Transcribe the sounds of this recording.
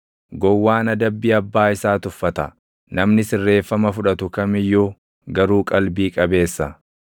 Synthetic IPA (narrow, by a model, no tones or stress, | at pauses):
ɡɔwːaːnɐd̪ɐbːiːɐbːaːɪsaːt̪ʊfːɐt̪ɐ | nɐmnɪsɪrːe̞ːfːɐmɐfʊᶑɐt̪ʊkɐmɪjːuː | ɡɐɾuːkʼɐlbiːkʼɐbe̞ːsːɐ